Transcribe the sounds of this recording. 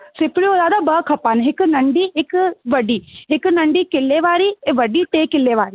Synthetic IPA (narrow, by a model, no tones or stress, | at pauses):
sɪpɽioːzaːd̪abɐkʰɐpaːnɦɪknɐɳɖiɪkʋɐɖiːɦɪknɐɳɖiːkɪlːeʋaːɾiʋɐɖit̪eːkɪlːeːʋaːɾiː